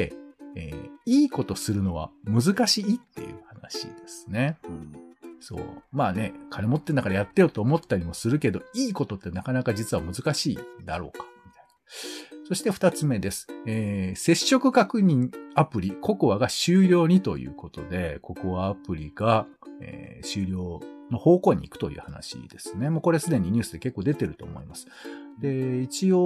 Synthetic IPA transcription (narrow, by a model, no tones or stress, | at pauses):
eḛːiːko̞t̪o̞sɨɾɯ̟no̞β̞a̰mɯ̟zɨkaɕiːt̪ːe̞̰jɯ̟̰hana̰ɕḭd̪e̞sɨ̥ne̞ | so̞̰ːmaːne̞kʰanemo̞t̪ːe̞nːakaɾajat̪ːe̞jot̪oːmo̞t̪ːaɾʲimo̞sɨɾɯ̟ke̞d̪o̞iːko̞t̪o̞t̪ːe̞nakanakad͡ʑit͡sɨβamɯ̟zɨkaɕiːd̪a̰ɾo̞ːkḁmʲit̪ḁi̥naso̞ɕi̥t̪e̞ɸɯ̟t̪at͡sɨme̞d̪e̞sɨ̥eːse̞ɕːo̞kɯ̟kakɯ̟ɲ̟ĩŋapɯ̟ɾʲikʰo̞kɯ̟βaɡaɕɨːɾʲo̞ːɲ̟it̪o̞̰jɯ̰ːko̞t̪o̞d̪e̞ko̞kɯβaːpɯ̟ɾʲiɡ̥a | ḛɕɨːɾʲo̞ːno̞ho̞ːko̞ːɲ̟ḭikɯ̟̥t̪o̞̰jɯ̰ːhana̰ɕḭd̪̥e̞sɨ̥ne̞moːko̞ɾe̞sɨd̪e̞ɲ̟iɲ̟ɨ̟ːsɨd̪eke̞kːo̞ːd̪e̞t̪e̞ɾɯ̟t̪o̞ːmo̞̰imasɨ̥d̪e̞it͡ɕio